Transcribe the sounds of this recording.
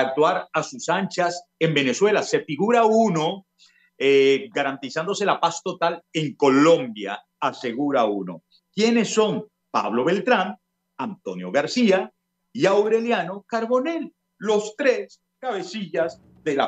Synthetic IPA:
ak̚t̪waɾasusant͡ʃase̞mbe̞ne̞swe̞lase̞fiɣuɾauno̞ | eɡaɾant̪isand̪o̞se̞lapast̪o̞t̪ale̞ŋko̞lõ̞mbja̰ː | se̞ɣuɾauno̞̰ | kje̞ne̞sːo̞ŋ | pa̰βlo̞βe̞lt̪ɾam | ant̪o̞njo̞ɣaɾsia | iawɾe̞ljano̞kaɾβo̞ne̞lː | o̞st̪ɾes | kaβe̞siʝaz | ðe̞la

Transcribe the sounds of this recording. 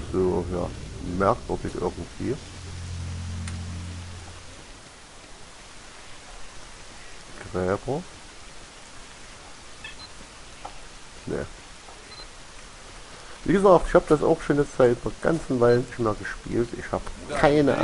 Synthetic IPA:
z̥oːja̰ːmɛɐkv̥ʏɐdɪçʔɪ̰ɐɡŋ̩tv̥ḭː | ɡ̥ʁɛːbɐ | nə̰ | v̥ḭːɡəzaːk̚tɪçhaːbəd̥asa̰ʊxʃoːnjɛt͡stz̥aɪtdeːɐɡ̥a̰nt͡sn̩vaɪlənɪçtmeːɐɡəʃpḭːltʔɪ̰çhaːbəkʰaɪnə̰ʔ

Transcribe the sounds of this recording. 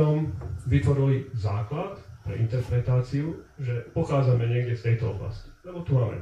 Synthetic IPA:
ɔmʋit̪ʋɔɾilizaːklat̪pɾɛ̰ʔint̪ɛɾpɾɛt̪aːt͡siuʒɛpɔxaːd͡zamɛɲɪɛɡɟɛst̪ɛjt̪ɔɔ̰bla̰sci̥lɛbɔt̪umaːmɛ̰

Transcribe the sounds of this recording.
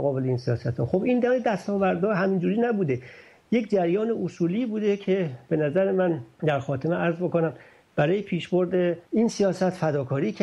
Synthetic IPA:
ɣɒːbe̞leiːnsijɒːsæt̪ɾɔ̰xobind̪æed̪æst̪ɒːvæɾd̪ɒːɦæmind͡ʒuːɾiːnæbuːd̪e | je̞cd͡ʒæɾjɒːneʔosuːliːbuːd̪ecʰe̞b̥e̞næzæɾemænd̪æɾxɒːt̪ʰemeʔæɾzbokonæm | b̥æɾɒːjepʰiːʃboɾd̪einsijɒːsæt̪fæd̪ɒːkʰɒːɾiːcʰ

